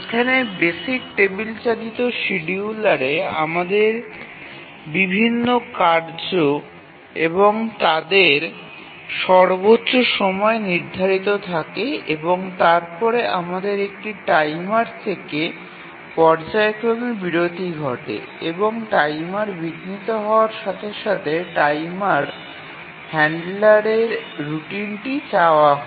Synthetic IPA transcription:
ekʰanebesik̚ʈebilt͡ɕalit̪oʃiɖiulaɽea̰mad̪eɾ | bibʱinːokaɾd͡ʑo | eboŋt̪ad̪eɾ | ʃɔɾbotːɕoʃɔmɔeniɾd̪ʱaɾit̪ot̪ʰakeeboŋt̪aɾpɔɾeʔamad̪eɾek̚ʈiʈajmaɾt̪ʰeke | pɔɾd͡ʑaekɾomibiɾod̪ʱiɡʱɔʈḛ | eboŋʈajmaɾbiɡ̪nit̪oɦɔoaɾʃat̪ʰeʃat̪ʰeʈajmaɾ | hɛɳɖlaɾeɾɾuʈinʈit͡ɕaoaɦɔ

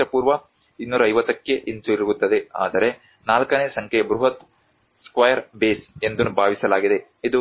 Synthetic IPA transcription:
ɐpuːɾʋɐ | inːuːɾɐːjʋɐt̪ːɐkːeʔint̪uiɾuɡut̪ːɐd̪e̞a̰ːd̪ɐɾe̞ | naːlkɐneːsɐŋkʰɛjɐbɾuɦɐt̪ | skʋɐjɐɾbeːse̞nd̪unːubʱaːʋisɐlaːɡid̪e̞ | id̪u

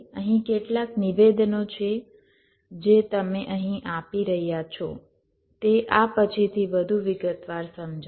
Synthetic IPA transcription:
əɦĩkeʈlakniʋed̪not͡ʃʰe | d͡ʒet̪əmeʔəɦĩʔapiɾəɦjat͡ʃʰɔ̰ | t̪eʔapət͡ʃʰit̪ʰiʋəd̪ʱuʋɪɡət̪ʋaɾsəmd͡ʒ

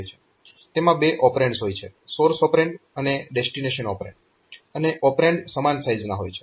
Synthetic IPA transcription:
jt͡ʃʰe̥ | t̪emãbeʔɔpɾẽɳʈsɦojt͡ʃʰesoɾsɔpɾeɳɖəneɖesʈineʃənɔpɾḛɳɖ | əneʔɔpɾẽɳɖsəmansajznaɦo̰jt͡ʃʰe̥

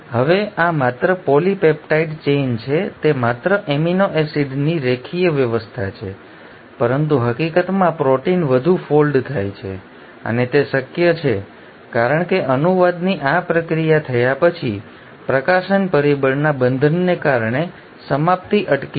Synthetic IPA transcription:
ɦəʋeʔamat̪ɾəpɔlipepʈaiʈt͡ʃent͡ʃʰet̪emat̪ɾəʔeminoʔesiɖniɾekʰijəʋjəʋəst̪ʰat͡ʃʰḛ | pəɾənt̪̬uɦəkikət̪mãpɾoʈinʋəd̪ʱufolɖt̪ʰajt͡ʃʰḛ | ə̰net̪eʃəkjət͡ʃʰe | kaɾəɳkeʔənuʋad̪niʔapɾəkɾijat̪ʰəjapət͡ʃʰi | pɾəkaʃənpəɾibəɳnabənd̪ʱənːekaɾɳ̃e | səmap̚t̪iʔəʈki

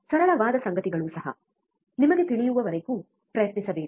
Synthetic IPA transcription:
sɐɾɐɭɐʋaːd̪ɐsɐŋɡɐt̪iɡɐɭuːsɐɦɐ̰ | nimɐɡe̞t̪iɭijuʋɐʋɐɾeku | pɾɐjɐt̪nisɐbeː

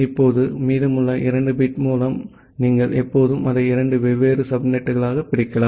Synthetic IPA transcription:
ɪpːoːðɯmiːðɯmɯɭːɐʔɪɾɐɳɖɯbiʈmuːlɐm | niːŋɡɐɭʔɛpːoːðɯmɐðɐɪɪɾɐɳɖɯʋɛʋeːɾɯsɐbnɛʈːɯɣɐɭaːɣɐpːɪɽɪkːɐlaː

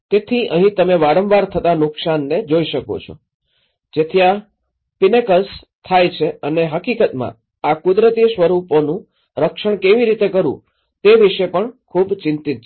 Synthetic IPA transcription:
t̪et̪ʰiʔəɦĩt̪əmeʋaɽəmʋaɾt̪ʰət̪anʊksanːed͡ʒoiʃəko̰t͡ʃʰo̰ | d͡ʒet̪ʰija | pinekəs | t̪ʰajt͡ʃʰeəneɦəkikət̪mã̰ | akʊd̪ɾət̪isʋəɾuponũ | ɾəkʃəɳ̃keʋiɾit̪ekəɾṵ̃ | t̪eʋiʃepəɳkʰubt͡ʃɪ̃nt̪it̪̚t͡ʃʰ

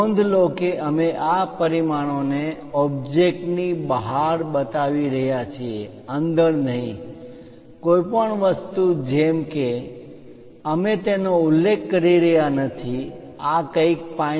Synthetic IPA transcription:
ond̪ʱlokeʔəmeʔapəɾimaɽ̃one | ɔb̚d͡ʒek̚ʈnibəɦaɾbət̪aʋiɾəɦjat͡ʃʰie | ənd̪əɾnəɦĩ | koipəɳʋəst̪ud͡ʒemke | əmet̪enoʊlːekːəɾiɾəɦjanət̪ʰi | akəik̚pa

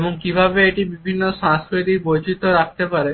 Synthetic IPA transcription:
eboŋkibʱabeeʈibibʱinːoʃãsɾet̪ikbojd͡ʑʱit̪oɾak̚ʰt̪epaɾe

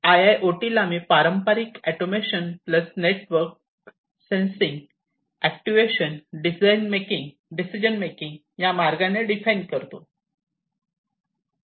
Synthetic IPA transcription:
ajajʔoʈilamiːpaɾəmpaɾikɛʈomeɕənpləsneʈʋəɾk̚ | sẽnsĩŋɡ | æk̚ʈiʋeɕənɖisajnmekĩŋɡ | ɖisid͡ʑənmekiŋɡ | jamaɾɡaneɖifejnɖkəɾt̪o

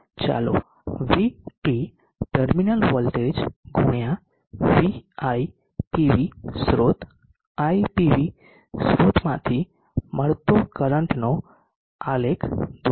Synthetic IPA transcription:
t͡ʃa̰lo̰ | ʋiʈi | ʈəɾminəlʋəlʈed͡ʒɡʱuɳjã | ʋiai | ʈiʋisɾot̪ | aipiʋi | sɾot̪mãt̪ʰi | məɾt̪okəɾəɳʈno | alekʰd̪

